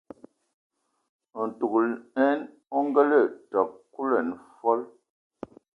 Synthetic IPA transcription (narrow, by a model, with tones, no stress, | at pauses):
n̩˨tu˨klɛ˦n | ɔ˦ŋ˦ɡə˦lə˦˨tɔ˨k̚kːu˦lə˨n˨fɔ˦l